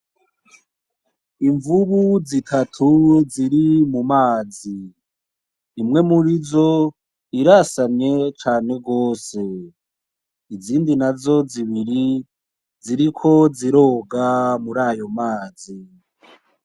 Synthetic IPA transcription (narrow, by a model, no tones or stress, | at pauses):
iɱvuβuzitʰatʰuziɾimumaːzi | mŋe̞muɾizo̞ | iɾasaɲɲe̞t͡ʃaːne̞ɡo̞ːse̞ | iziːndinazo̞ziβiɾi | ziɾikʰo̞ziɾo̞ːɡamuɾaːjo̞maːzi